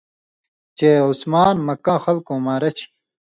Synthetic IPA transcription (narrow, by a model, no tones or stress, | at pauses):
t͡ɕeːusmaːnmɐkãːxɐlkõːmaːɾɐt͡ɕʰi̥